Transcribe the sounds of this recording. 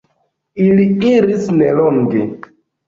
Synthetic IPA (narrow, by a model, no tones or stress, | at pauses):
iliiɾisneloŋɡe